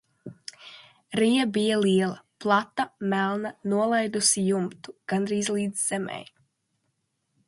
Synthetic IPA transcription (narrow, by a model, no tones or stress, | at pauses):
ɾijabijaliɛlˠaplˠat̪ːamælˠnanuɔlˠajd̪usijumt̪u̥ɡ̥anɾiːzlˠiːd̪z̥ːɛmɛ̰j